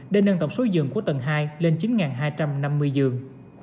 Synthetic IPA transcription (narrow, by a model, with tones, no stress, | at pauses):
ɗe˧nːa˧nt̪ə˧˩wŋ͡mso˨˦zɨ̰˨əŋku˧˩ət̪ə˨˩nɦaː˧jle˧nt͡ɕi˨˦nŋaː˨˩nɦaː˧jt͡ɕa˧mna˧mːɨ˧əjzɨ˨˩əŋ